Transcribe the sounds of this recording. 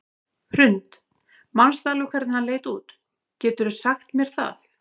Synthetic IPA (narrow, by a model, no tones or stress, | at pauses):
hr̥ɾʏnt̪ | manst̪aːlɪʏkʰvɛɾt̪nhanleːjt̪uːt̪ | cɛːt̪ʏɾʏsaxt̪mjɛɾ̥θa̰θ